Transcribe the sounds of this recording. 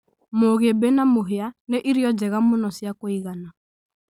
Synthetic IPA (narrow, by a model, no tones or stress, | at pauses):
moɣebenamoɦeaneʔiɾiɔd͡ʒɛɣamonɔsjakoiɣana